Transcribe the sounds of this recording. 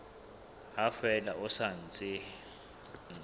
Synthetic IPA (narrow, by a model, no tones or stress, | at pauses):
hafɛlaʔʊsan̩t͡sʼɪ | n